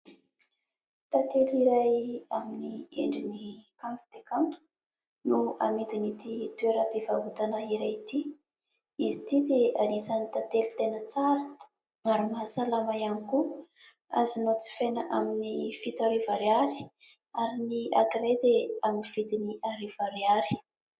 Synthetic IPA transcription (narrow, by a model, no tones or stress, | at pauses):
t̪at̪eliɾajaminiḛɳɖ͡ʐinikanku̥t̪ekant̪u̥ | nuamit̪init̪it̪ueɾəpivaɦut̪anaiɾajit̪i | izit̪id̪eanisanit̪at̪elit̪enət͡saɾə | aɾumaɦasalamajaniku | a̰zinot͡si̥fenəʔaminifit̪aɾivaɾjaɾi̥ | aɾiniakiɾed̪eaminifit̪iniʔaɾiv̥aɾeaɾi̥